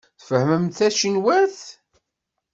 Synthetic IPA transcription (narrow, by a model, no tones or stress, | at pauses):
θfəhməmθæʃinwæɾθ